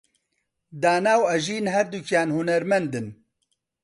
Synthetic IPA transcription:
d̪aːnaːwɐʒiːnɦɛɾd̪ukjaːnhunɐɾmɛnd̪ɨn

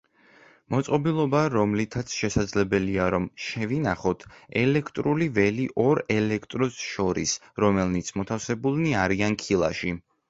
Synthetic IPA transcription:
mɔt̪sʼqʼɔbilˠɔbaɾɔmlit̪ʰat̪sʰʃɛsad̪zlɛbɛliaɾɔmʃɛvinaχɔt̪ʰɛlɛkʰt̪ʼɾulivɛliʔɔɾɛlɛkʰt̪ʼɾɔsʃɔɾḭs | ɾɔmɛlnit̪sʰmɔt̪ʰafsɛbulˠniaɾiankʰilˠa̰ʃi

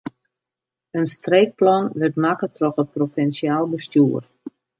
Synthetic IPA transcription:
ənstreːk̚plɔnʋərtmakətrɔxət̚profɛnsiaːlˠbəstjuːər

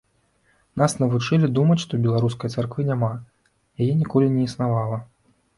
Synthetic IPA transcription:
nasnɐvut͡ʂɨlʲid̪umɐt͡sʲʂt̪ɔbʲɛlˠaɾus̬kɐjɐt̪sarkvɨnʲama | jajɛnʲikɔlʲinʲɛisnavalˠɐ

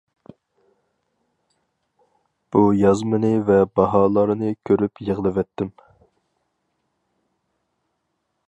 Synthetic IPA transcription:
b̥ujɑzmɨnɨvɛbɑɦɑːlˠɑɾɨnɨkʲʰøɾypjəʁlˠɨvɛt̪ʰːɪm

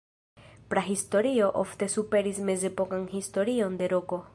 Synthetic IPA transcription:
pɾaɦist̪oɾioʔo̰ft̪esupeɾismezepokaŋhist̪oɾiond̪eɾoko

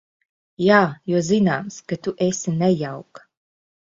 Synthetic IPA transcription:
jaːjɔɔzinaːmskat̪uʔesinɛjawk

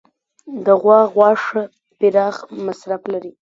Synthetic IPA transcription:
d̪əɣwɑɣwɑʂə | pɪɾɑɣmasɾaflaɾi

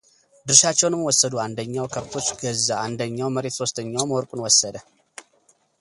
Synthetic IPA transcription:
d̪ɨɾʃat͡ʃːɛwnɨmwɔsːəd̪uand̪əɲːawkʰəβt̪ʰo̞t͡ʃːɡəzaand̪əɲːawməɾe̞t̪so̞st̪ʰəɲːawməwɔɾkʼunwɔsːəd̪ə

